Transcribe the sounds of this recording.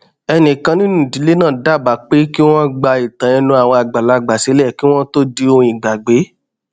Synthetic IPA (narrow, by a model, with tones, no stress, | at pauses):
ɛ˧nĩ˨kã˧nĩ˦nũ˦˨di˨˦le˦nãː˦˨da˦˨ba˨˦˨k͡pe˦ki˦w̃ɔ̃˦ɡ͡ba˧i˨tã˨ĩ˧nũ˧˦a˨w̃ɔ̃˧a˨ɡ͡ba˨la˧ɡ͡ba˨se˨˦lɛ˦˨ki˦w̃ɔ̃˦to˦di˧˦õ˧˨ĩ˨ɡ͡ba˨ɡ͡be˨˦